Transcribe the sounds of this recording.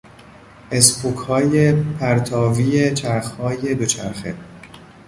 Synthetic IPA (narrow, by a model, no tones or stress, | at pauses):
ʔespʰokʰhɒːjepʰæɾt̪ʰɒːviːjet͡ʃʰæɾxhɒːje̞d̪ot͡ʃʰæ̰ɾxḛ